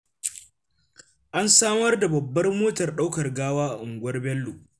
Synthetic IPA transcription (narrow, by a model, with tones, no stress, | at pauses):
ʔa˦nsaː˦mɐ˦rda˨bɐ˨bːɐ˦rmoː˦tɐ˨rɗa˦wkɐ˨rɡaː˦waː˦˨ʔʊ˨ŋɡʷwɐ˦rbɛ˦lːuː˨